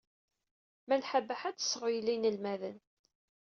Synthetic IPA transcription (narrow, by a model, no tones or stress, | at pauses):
mælħabəħat͡sːə̥sːʁjlːinəlmæðən